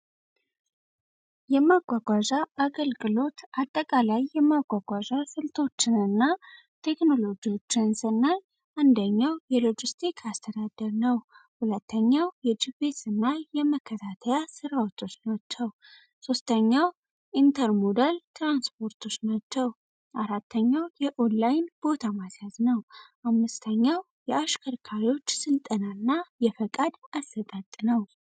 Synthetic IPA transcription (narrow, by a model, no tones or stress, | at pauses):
jɛmaɡʷaɡʷaʒaaɡəlɡʼɨlo̞t̪ʔat̪ʼːəkʼalajːɛmaɡʷaɡʷaʒasɨlt̪ʰo̞t͡ʃːɪnɨnːa | t̪ʰe̞kno̞lo̞d͡ʒiwo̞t͡ʃːɪnsɨnːal | ʔand̪əɲːawjɛlo̞d͡ʒɪst̪ʰikʰast̪ʰəd̪ad̪əɾnəwhulət̪ʰːəɲːawjɛd͡ʒibet̪ɨnːajɛməkʰːət̪ʰat̪ʰəjasɨɾawot̪ʰːo̞t͡ʃnat͡ʃːəw | so̞st̪ʰəɲːaw | ʔint̪ʰəɾmo̞d̪alt̪ʰɾanspʰo̞ɾt̪ʰo̞t͡ʃnat͡ʃːɛw | ʔaɾat̪ːəɲːawjɛʔo̞nlajnbo̞t̪ʰamasjaznəwʔamːɨst̪ʰəɲːaw | jɛaʃkʰəɾkʰaɾio̞t͡ʃːsɨlt̪ʼənanːajɛfəkʼad̪asːət̪ʼat̪ʼːnəw